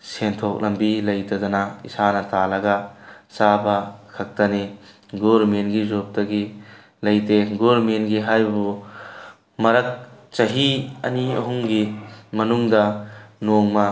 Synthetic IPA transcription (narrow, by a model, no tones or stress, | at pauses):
sentʰok̚lɐmbilɐjtɐdɐnaḭsanɐtalɐɡasabɐkʰɐk̚tɐni | ɡoɾmenɡizop̚tɐɡi | lɐjteɡoɾmenɡiɦajbu | mɐɾɐk̚t͡ʃɐɦiɐ̰niɐ̰ɦuŋɡimɐnuŋdɐnoŋmɐ